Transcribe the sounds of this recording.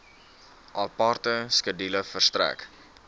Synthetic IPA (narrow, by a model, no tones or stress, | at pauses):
ʔɑpɑːrtəskədiləfərst̪ɾæ̰k